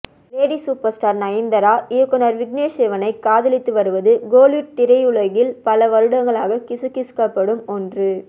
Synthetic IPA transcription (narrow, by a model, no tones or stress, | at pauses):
ʋeːɽisuːpɐɾsʈaːɾnɐjɐnd̪ɐɾaːɪɐkːɔnɐɾʋɪɡneːseːʋɐnɐɪkːaːðɪlɪt̪ːɯʋɐɾɯʋɐðɯɡoːljʊʈ̚t̪ɪɾɐɪʊɭɐɣɪlpɐlɐʋɐɾɯɽɐŋɡɐɭaːɣɐkɪsɯkːɪskːɐpːɐɽɯmɔndrɯ